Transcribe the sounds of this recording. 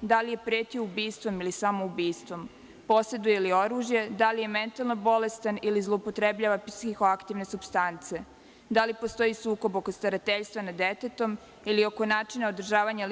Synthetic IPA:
d̪alije̞pɾe̞ːt̪ioubiːst̪ʋo̞milisamoubiːst̪ʋo̞m | po̞se̞d̪uilio̞ɾuːʒje̞d̪alije̞ment̪alˠno̞bo̞le̞st̪anilizlˠoupot̪ɾebʎaʋapsixoakt̪iʋne̞supst̪ant̪se | d̪alipost̪o̞jisuːko̞bo̞kost̪aɾat̪eʎst̪ʋanad̪d̪et̪et̪o̞m | ilio̞ko̞naːt͡ʃinaod̪r̩ʒaːʋaɲa

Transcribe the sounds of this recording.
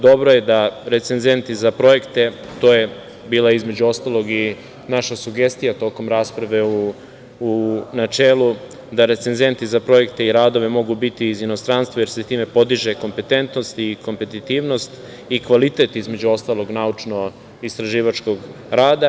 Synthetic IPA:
d̪o̞bɾo̞je̞d̪aɾe̞t̪se̞nze̞nt̪izapɾo̞je̞kt̪e̞t̪o̞ːje | biːlˠaizme̞d͡ʑuo̞st̪alˠo̞ɡi | naʃasuɡest̪ijat̪o̞ːko̞mɾaːspɾaʋe̞uː | nat͡ʃeːlˠu | d̪aɾe̞t̪senze̞nt̪izapɾo̞je̞kt̪e̞iɾaːd̪o̞ʋe̞mo̞ɡubit̪iːzino̞st̪ɾanst̪ʋajeɾset̪iːme̞po̞d̪iʒe̞ko̞mpe̞t̪e̞nt̪no̞st̪iko̞mpe̞t̪it̪iːʋno̞st̪ | ikʋalit̪e̞t̪izme̞d͡ʑuo̞st̪alˠo̞ɡnaut͡ʃno̞ | ist̪ɾaʒiːʋat͡ʃko̞ɡ | ɾaːd̪a

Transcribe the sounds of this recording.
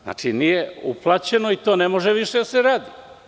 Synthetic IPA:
zna̰ːt͡ʃinijeṵplˠat͡ɕe̞no̞it̪o̞ːnemoʒeʋiʃed̪aseɾaːd̪i

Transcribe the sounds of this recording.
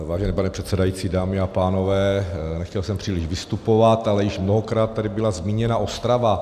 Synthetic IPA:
vaːʒɛniːpanɛpr̥ɛt̪sɛdajiːt͡siːdaːmɪapaːno̞vɛːnɛxcɛlsɛmpr̝̥iːlɪʒvɪst̪upovat̪alɛjɪʃmnoɦokɾaːt̪̚t̪ːadɪbɪlazmiːɲɛnaʔo̞st̪ɾava

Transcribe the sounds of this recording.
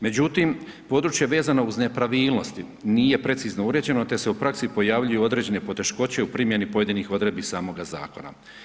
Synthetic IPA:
me̞d͡ʑut̪impo̞d̪ɾuːt͡ʃjeʋe̞ːzano̞uzne̞pɾaʋiːlˠno̞st̪i | niːje̞pɾe̞t̪siːzno̞uɾe̞d͡ʑe̞no̞t̪e̞se̞upɾaksipo̞jaʋʎujuo̞d̪ɾed͡ʑe̞ne̞po̞t̪e̞ʃko̞t͡ɕe̞upɾimje̞nipo̞je̞d̪inixo̞d̪ɾe̞d̪̚bisaːmo̞ɡaza̰ːko̞na̰

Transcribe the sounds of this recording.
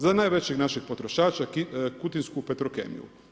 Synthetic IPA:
zanaːjʋet͡ɕeɡnaʃixpo̞t̪ɾoʃaːt͡ʃakikut̪inskupet̪ɾokḛmḭṵ

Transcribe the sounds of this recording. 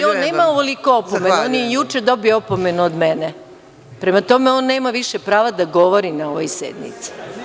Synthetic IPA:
onːeːmaoʋoliko̞opomenuonjejut͡ʂed̪o̞bioopome̞nuod̪mene | pɾemat̪o̞meo̞ːnːe̞ːmaʋiʃepɾaːʋad̪aɡo̞ʋoɾinaoʋojsḛd̪mḭt̪si̥

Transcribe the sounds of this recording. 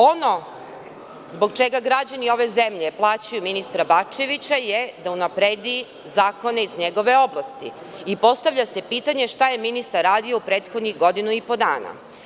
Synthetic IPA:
o̞no̞ | zbo̞ɡt͡ʃeɡaɡɾad͡ʑanio̞ʋe̞ze̞mʎe̞plˠaːt͡ɕajuminist̪ɾabat͡ʃeʋit͡ɕajed̪aunapɾed̪i | zaːko̞ne̞izɲeɡo̞ʋe̞o̞blˠast̪i | ipo̞st̪aʋʎʲasepiːt̪aɲe̞ʃt̪ajeminist̪aɾːaːd̪ioupɾe̞ːt̪xo̞d̪niɣɡo̞d̪inuipo̞d̪aːna̰

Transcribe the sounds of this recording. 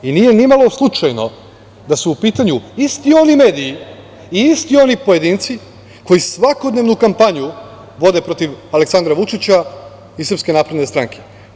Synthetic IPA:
iniːje̞nimalˠo̞slˠut͡ʂajno̞ | d̪asuːpiːt̪aɲuist̪io̞nime̞ːd̪ijː | iist̪io̞nipo̞je̞d̪iːnt̪si | ko̞jisʋako̞d̪ne̞ʋnukampaɲu | ʋo̞d̪e̞pɾo̞t̪iʋaleksand̪ɾaʋut͡ʃit͡ɕa | isrpske̞naːpɾed̪est̪ɾaŋkʰe

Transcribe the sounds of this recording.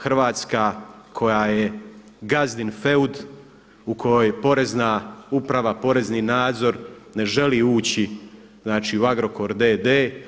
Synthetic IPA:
xrʋaːt̪skakʰo̞jaje | ɡazd̪infe̞ud̪ | ukʰo̞jojpo̞ɾe̞znaːupɾaʋapo̞ɾe̞zninaːd̪zo̞ɾne̞ʒe̞liːuːt͡ɕi | znaːt͡ʃiːuaɡɾo̞ko̞ɾd̪eːd̪eː

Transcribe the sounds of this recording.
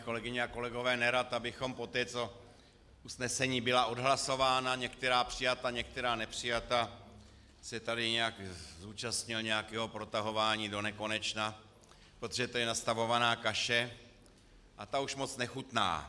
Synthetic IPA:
ko̞lɛɡɪɲɛako̞lɛɡo̞vɛːnɛɾat̪abɪxo̞mpo̞t̪ɛːt͡so̞ | usnɛsɛɲiːbɪlaʔo̞dɦlaso̞vaːnaɲɛkt̪ɛɾaːpr̝̥ɪjat̪aɲɛk̚t̪ɛɾaːnɛpr̝̥ɪjat̪a | sɛt̪adɪɲɛjakzuːt͡ʃast̪ɲɪlɲɛjakɛɦo̞pɾo̞t̪aɦo̞vaːɲiːdo̞nɛko̞nɛt͡ʃna | pɾot̪oʒɛt̪ojɛnast̪avo̞vanaːkaʃɛ | ʔat̪auʃmo̞t͡snɛxut̪na̰ː

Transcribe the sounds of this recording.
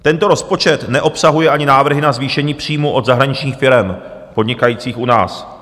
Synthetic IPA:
t̪ɛnt̪o̞ɾo̞spo̞t͡ʃɛt̪nɛʔo̞psaɦujɛaɲɪnaːvr̩ɦɪnazviːʃɛɲiːpr̝̥iːmuʔo̞d̪zaɦɾaɲɪt͡ʃɲiːxfɪɾɛm | po̞d̪ɲɪkajiːt͡siːxuna̰ːs

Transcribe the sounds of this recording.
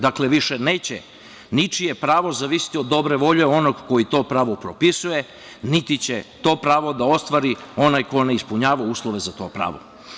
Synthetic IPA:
d̪akleʋiʃeneːt͡ɕe | nit͡ʃijepɾaːʋo̞zaʋisi̥t̪iod̪ːo̞bɾeʋo̞ʎeo̞noɡko̞jit̪o̞ːpɾaːʋopɾopisuje̞ | nit̪it͡ɕet̪o̞ːpɾaːʋo̞d̪ao̞st̪ʋaːɾio̞najkojneispuɲaːʋauːslˠoʋe̞zat̪o̞ːpɾa̰ːʋo̰

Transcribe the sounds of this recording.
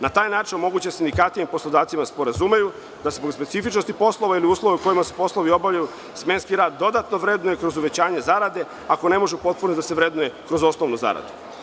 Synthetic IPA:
nat̪aːjnaːt͡ʃinomo̞ɡuːt͡ɕesind̪ikaːt̪impo̞slˠod̪aːt̪simaspo̞ɾazume̞ju | d̪azbo̞ɡspe̞t̪sifit͡ʃno̞st̪ipo̞slˠo̞ʋailiuːslˠoʋauko̞jimasepo̞slˠoʋio̞baʋʎaju | sme̞nskiɾaːd̪ːo̞d̪at̪no̞ʋɾed̪nuje̞kɾozuʋe̞t͡ɕaːɲe̞zaɾad̪e̞ | akone̞mo̞ʒupo̞t̪̚punod̪ase̞ʋɾed̪nujekɾo̞zo̞sno̞ʋnuza̰ɾa̰d̪u̥

